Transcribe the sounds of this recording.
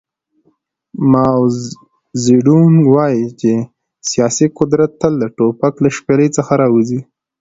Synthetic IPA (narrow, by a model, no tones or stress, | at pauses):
mɑw | ziɖuŋɡwɑjit͡ʃe | sijɑsiqʊd̪ɾat̪ːəld̪əʈopaklaʃpeləjt͡səxaɾɑwuzi